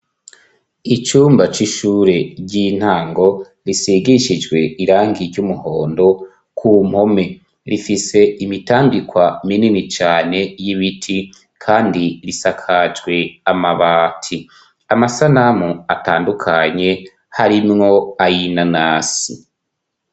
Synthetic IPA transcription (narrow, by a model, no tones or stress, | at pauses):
it͡ʃuːmbat͡ʃiʃuːɾe̞ɟiːn̥haːŋɡo̞ | ɾisiɡiʃid͡ʒɡwe̞iɾaːŋɡiɾɟumuho̞ːndo̞ | kʰum̥ho̞me̞ | ɾifise̞imitaːŋɡikwamininit͡ʃaːne̞jiβitʰi | kʰaːndiɾisakʰad͡ʒɡwe̞amaβaːtʰi | amasanamuataːndukʰaɲe̞ | haɾimŋo̞ajinanaːsḭ